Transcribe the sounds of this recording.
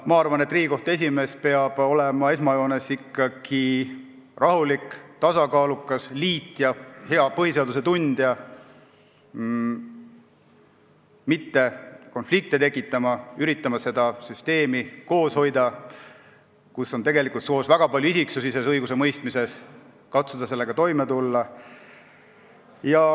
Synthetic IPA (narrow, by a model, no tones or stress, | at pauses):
mɑɑrvɑne̞t̪ːˑriːɡ̥iko̞ht̪e̞s̬ʲime̞ːspe̞ɑb̥o̞lemɑe̞smɑjo̞ːne̞sikːˑɑɡ̥i | rɑɦulikt̪ɑsɑkɑːlukːˑɑsliːt̪ːˑjɑheɑpɤhise̞ɑd̪use̞t̪und̪̥jɑ | mit̪ːe̞ko̞nflik̚t̪et̪e̞kːˑit̪ːˑɑmɑyɾit̪ːˑɑmɑse̞d̪ɑsyst̪e̞ːmiko̞ːsho̞jd̪ɑ | kusːo̞nt̪e̞ɡe̞likˑult̪soːsvæɡ̥ɑpɑlʲjuisiksusise̞sɤjɡ̥use̞mɤjst̪mise̞s | kɑt̪sud̪̥ɑse̞lːe̞ɡ̥ɑt̪o̞jme̞t̪ulːɑ | jɑ